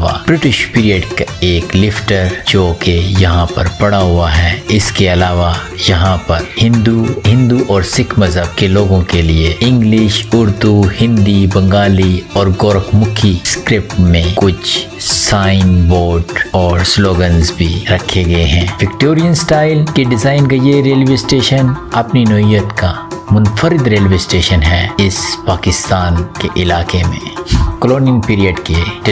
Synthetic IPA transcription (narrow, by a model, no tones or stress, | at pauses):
ʋa̰b̥ɾɪʈɪʃpiːɾijəɖkaeːklɪfʈəɾd͡ʒoːkejɐɦãpɐɾpɐɽaɦʊaɦɛːɪskeɐlaːʋa | jɐɦãpɐɾhɪ̃nd̪uɦɪ̃nd̪uʔɔːɾsɪkʰmɐzɦəbkeloːɡõkelieɪ̃ŋɡlɪʃʊɾd̪uhɪ̃nd̪ibɐ̃ŋɡaːliɔːɾɡɔːɾəkʰmʊkʰiskɾɪp̚ʈmẽkʊt͡ʃʰ | saːɪnboːɾɖɔːɾsloːɡənzbʱiɾɐkʰːeɡɐeɦɛ̃ːʋɪkʈoːɾijənsʈaːɪlkeɖɪzaːɪnkɐd͡ʒeɾeːlʋeːsʈeːʃənɐpninɔijət̪ka | mʊnfəɾɪd̪ɾeːlʋeːsʈeːʃənɦɛːɪspaːkɪst̪aːnkeʔɪlaːkemḛ̃kəloːnijənpiːɾijəɖke